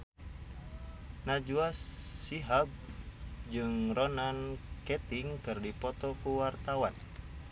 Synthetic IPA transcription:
nad͡ʒuassiɦab̚d͡ʒɨŋrɔnankɛt̪iŋkɨrdipɔt̪ɔkuwart̪awan

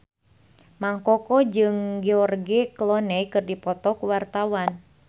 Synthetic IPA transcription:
maŋkɔkɔd͡ʒɨŋɡɛɔrɡiklɔnɛjkɨrdipɔt̪ɔkuwart̪awan

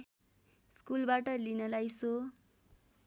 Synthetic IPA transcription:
skulbaʈʌlinʌlajso

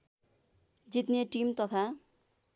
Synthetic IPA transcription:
d͡zit̪neʈimt̪ʌt̪ʰa

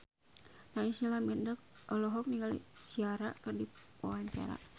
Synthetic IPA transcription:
naisilamindək̚ʔɔlɔɦɔk̚niŋɡalḭsiaɾa̰kərdipawaɲt͡ʃa̰ɾa̰

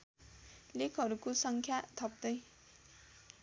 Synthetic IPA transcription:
lekʰʌɾukosʌŋkʰjat̪ʰʌp̚d̪ʌj

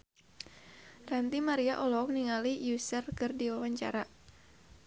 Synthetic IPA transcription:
rant̪imaɾiaʔɔlɔk̚niŋalijusərkɨrdiwawaɲt͡ʃa̰ɾa

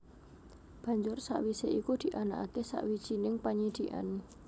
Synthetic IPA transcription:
b̥a̤ɲd͡ʒʊrsa̰ʔwiseʔikud̪̥i̤ʔanaʔakesa̰ʔwid̥ʒ̥inɪŋpaɲid̪̥i̤ʔa̰n

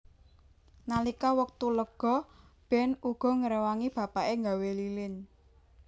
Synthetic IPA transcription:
nalikawək̚t̪uləɡ̥ɔ̤ | b̥ɛ̤nuɡ̥ɔ̤ŋəɾewaŋib̥ä̤paʔeŋɡawelilɪn

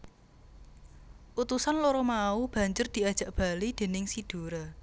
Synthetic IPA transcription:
ʔut̪usanloɾɔmaub̥ä̤ɲd͡ʒʊrd̪̥i̤ad̥ʒ̥a̤ʔb̥a̤lid̪̥e̤nɪŋsid̪̥o̤ɾa

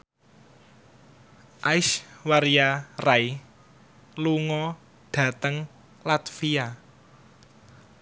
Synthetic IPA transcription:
ʔaɪʃwaɾijaraj | luŋɔ | ɖ̥ä̤t̪əŋ | lat̪fia

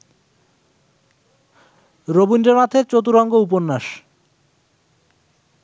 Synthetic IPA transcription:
ɾobinɖemat̪ʰeɾt͡ɕot̪uɾɔŋɡoup̬onːaʃ

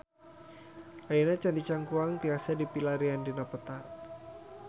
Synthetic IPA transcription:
aənat͡ʃandit͡ʃaŋkuaŋt̪iasadipilaɾiandinapət̪a

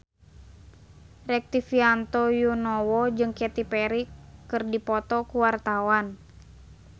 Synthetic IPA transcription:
rɛk̚t̪ifiant̪ɔjunɔwɔd͡ʒɨŋkɛt̪ipɛɾikːɨrdipɔt̪ɔkuwart̪awan

